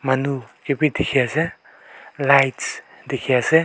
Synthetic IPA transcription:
manukepid̪ikʰiase | lajts | d̪ikʰiase

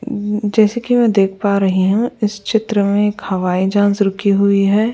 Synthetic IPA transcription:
d͡ʒɛːsekimɛ̃d̪eːkʰpaːɾɐɦiɦũɪst͡ʃɪt̪ɾəmẽeːkhɐʋaːid͡ʒãːnsɾʊkʰiɦʊiɦɛː

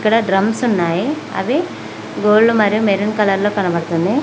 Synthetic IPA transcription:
kːɐɽɐɖɾɐmsunːaːji | ɐ̰ʋi | ɡoːɭːumɐɾjumeɾinkɐlɐɾlokɐnɐmɐɽt̪und̪e

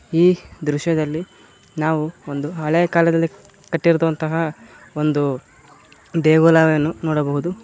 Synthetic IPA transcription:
iːd̪ɾuʃjɐd̪ɐlːi | naːʋuond̪uɦɐɭeːɐkaːlɛd̪ɐlːi | kɐʈːiɾd̪ʋɐnt̪ɐɦɐ | ond̪u | d̪eːɡoːlaːʋɐjɐnːunoːɽɐbɐɦud̪u

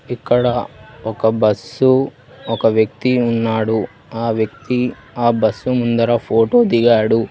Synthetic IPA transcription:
ikːɐɽɐɔkɐbɐsu | ɔkɐʋjɐk̚t̪iunːaːɽu | aːʋjɐk̚t̪i | aːbɐsːumund̪ɐɾɐpʰo̞ːʈo̞ːd̪iɡaːɽu

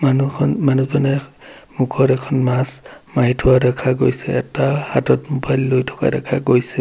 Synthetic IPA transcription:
manunmanuzɔnɛmukʰɔɾɛkʰɔnmasmaɦitʰʊwadakʰaɡojsɛɛtahatɔtmobajllojtʰɔ̥ka̰dakʰaɡojsɛ

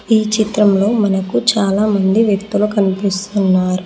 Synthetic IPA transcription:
iːt͡ʃit̪ɾɐmlo̞ːmɐnɐkut͡ʃaːlaːmɐnd̪iʋjekt̪ulukɐnipist̪unːaːɾu

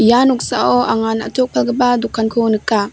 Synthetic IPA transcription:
janɔk̚saʔɔʔaŋana̰tʰɔk̚pʰalɡəbadukʰːankʰonɯkːa

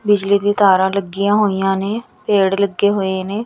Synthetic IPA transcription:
bɪd͡ʒliːd̪iːt̪ʰaːɾãːləɡːijãːɦoːijãːneː | peːɽləɡːeːɦoːeːneː

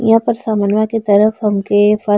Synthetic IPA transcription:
jɦãːpɐɾsaːmənʋãket̪ɐɾəfɦɐmkefɐ

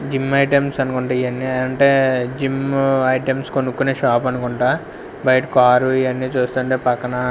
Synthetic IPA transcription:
d͡ʒimːɐjʈemsɐnukuɳʈaːiɐnːieːɐɳʈe̞ːd͡ʒimɐjʈemskonukːuneːʃaːp̬ɐnukuɳʈaː | bʱɐjʈkaːɾuiɐnːit͡ʃuːst̪uːɳʈeːpɐkːɐnɐ

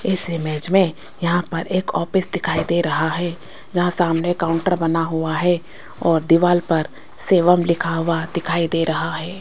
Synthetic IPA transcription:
ɪsɪmɛːd͡ʒmẽ | jɐɦãpɐɾeːkɔːpɪsd̪ɪkʰaːid̪eːɾɐɦaɦɛː | d͡ʒɐɦãsaːmnekaːʊ̃ɳʈəɾbɐnaɦʊaɦɛː | ɔːɾd̪ɪʋaːlpɐɾ | seːʋəmlɪkʰaɦʊwad̪ɪkʰaːid̪eːɾɐɦaɦɛː

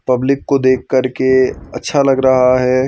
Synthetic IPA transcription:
pɐblɪkːod̪eːkʰːɐɾkeɐtːʃʰalɐɡɾɐɦaɦɛː

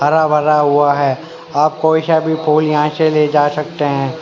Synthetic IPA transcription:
bʱɐɾabʱɐɾaɦʊaɦɛː | aːp̚koɪʃabʱipʰoːljɐɦãseled͡ʒaːsɐk̚t̪eɦɛ̃ː

